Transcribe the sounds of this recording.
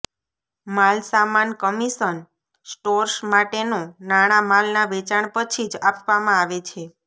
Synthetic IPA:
malsamankəmisən | sʈoɾsmaʈenõnaɽ̃amalnaʋet͡ʃaɳ̃pət͡ʃʰid͡ʒapʋamãaʋet͡ʃʰe

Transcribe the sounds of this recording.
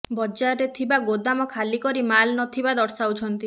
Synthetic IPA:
bɔd͡ʒaɾet̪ʰibaɡod̪amɔkʰalikɔɾimalnɔt̪ʰibad̪ɔɽsaut͡ʃʰɔnt̪i

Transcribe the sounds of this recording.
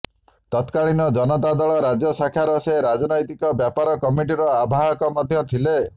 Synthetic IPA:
t̪ɔt̪kaɭinɔd͡ʒɔnɔt̪ad̪ɔɭɔɾad͡ʒjɔsakʰaɾɔseɾad͡ʒɔnɔjt̪ikɔbjapaɾɔkɔmiʈiɾɔabʱaɦɔkɔmɔd̪ʱjɔt̪ʰile

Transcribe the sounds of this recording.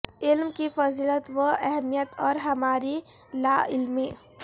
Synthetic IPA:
ɪlmkifəzilət̪wəɛɦmijət̪ɔːɾɦɐmaːɾilaːɪlmiː

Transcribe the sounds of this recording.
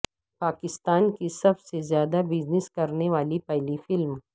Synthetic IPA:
paːkɪst̪aːnkisɐbsezjaːd̪abɪd͡ʒnɪskɐɾneʋaːlipɛɦlifɪlm

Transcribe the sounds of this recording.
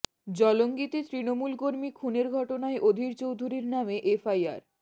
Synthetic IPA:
d͡ʑɔloŋɡit̪et̪ɾinomulkoɾmikʰuneɾɡʱɔʈonaeʔod̪ʱiɾt͡ɕowd̪ʱuɾiɾnameʔefʰaja̰ɾ

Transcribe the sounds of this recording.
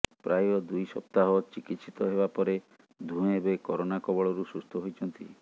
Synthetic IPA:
pɾajɔd̪ujsɔ̰p̚t̪aɦɔt͡ʃikit̪sit̪ɔɦebapɔɾe | d̪ʱũebekɔɾonakɔbɔɭɔɾusust̪ʰɔɦojt͡ʃʰɔnt̪i

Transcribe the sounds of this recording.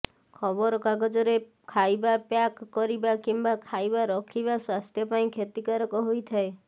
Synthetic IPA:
kʰɔbɔɾɔkaɡɔd͡ʒɔɾe | kʰajbapjakːɔɾibakimbakʰajbaɾɔkʰiβaswast̪ʰjɔpaĩkʰet̪ikaɾɔkɔɦojt̪ʰae

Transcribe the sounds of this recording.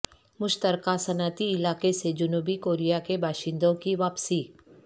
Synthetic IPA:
mʊʃt̪əɾkasɐnaːt̪iɪlaːkesed͡ʒʊnuːbikoːɾijakebaːʃɪ̃nd̪õkiʋaːpsiː

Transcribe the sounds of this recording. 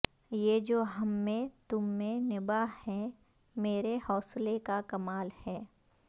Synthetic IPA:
jeːd͡ʒoːɦɐmːẽt̪ʊmːẽnɪbahɛ̃ | meːɾehɔːslekakɐmaːlhɛː

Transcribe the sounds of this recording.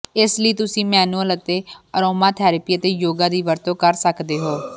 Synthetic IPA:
ɪsləiːt̪ʊsĩːmɛːnuələt̪eːəɾoːmaːt̪ʰɛːɾəpiːət̪eːjoːɡaːd̪iːʋəɾt̪õːkəɾsəkd̪eːɦoː

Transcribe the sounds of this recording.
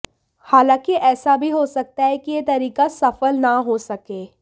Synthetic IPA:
haːlãːkiɛːsabʱiɦoːsɐk̚t̪aɦɛkijet̪ɐɾiːkasɐfəlnaɦosɐkeː

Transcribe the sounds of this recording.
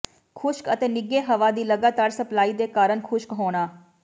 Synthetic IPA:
kʰʊʃkət̪eːnɪɡeːɦəʋaːd̪iːləɡaːt̪aːɾsəplaːiːd̪eːkaːɾəɳkʰʊʃkɦoːɽ̃aː

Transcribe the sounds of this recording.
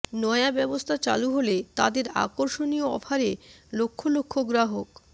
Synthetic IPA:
nɔeabɛbost̪ʰat͡ɕa̰luɦolet̪a̰d̪eɾa̰koɾʃonijoɔ̰fʰaɾelokʰːolokʰːoɡɾaɦok

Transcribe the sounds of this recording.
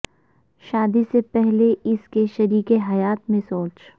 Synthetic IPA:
ʃaːd̪isepɛɦleɪskeʃɐɾiːkeɦɐjaːt̪mẽsoːt͡ʃ

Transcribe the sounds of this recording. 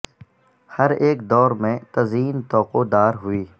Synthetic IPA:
hɐɾeːkd̪ɔːɾmẽt̪ɐziːnt̪ɔːqoːd̪aːɾɦʊiː

